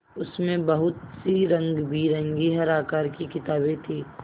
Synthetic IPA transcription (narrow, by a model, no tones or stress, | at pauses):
ʊsmẽbɐɦʊt̪siɾɐ̃ŋɡbʱiɾɐ̃ŋɡiɦɐɾaːkaːɾkikɪt̪aːbet̪ʰiː